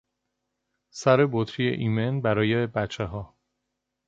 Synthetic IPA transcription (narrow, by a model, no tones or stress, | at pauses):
sæɾe̞bot̪ʰɾijḛʔimenbæɾɒːjebæt͡ʃʰːeɦɒː